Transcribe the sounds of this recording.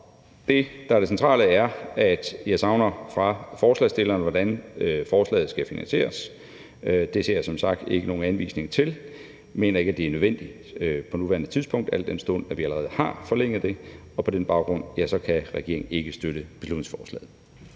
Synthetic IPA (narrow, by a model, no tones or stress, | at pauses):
d̥e̝d̥ɑ̈æɐɾ̥esent͡sʰʁɑ̰̈ːləæɐæd̥jɑ̈ɪsɑ̈ʊnɐfʁɑ̈fɒːslɛ̰sd̥e̝lɐːnʋɒdænfɒːslɛ̰ːð̞̩ˠsɡ̥æfinænɕe̝̰ːɐs | d̥e̝se̝̰ɐ̰jɑ̈ɪsɒ̽msɑ̈ɡ̥̚d̥e̝ɡ̥əno̝ːn̩ænʋḭːsne̝ŋɐt͡sʰe̝l | me̝̰ːnɐe̝ɡ̥æd̥e̝æɐnøðˠʋen̰d̥i | pʰɒ̽nuʋæːɐnət͡sʰiðˠspʰɔ̽ŋ̰d̥æl̰d̥ensd̥o̰næʋiæləʁɛːð̩ˠhɑ̈fɒ̽leŋ̰ð̩ˠd̥e̝ | ɒ̽pʰɒ̽denb̥ɑ̈ʊɡ̥ʁɔ̽n̰jæsɒ̽kʰæʁɛɡ̥e̝ɐ̰e̝ŋn̩e̝ɡ̥əsd̥øɾəb̥e̝slud̥ne̝ŋsfɒ̥ːslɛ̰ːð̩ˠ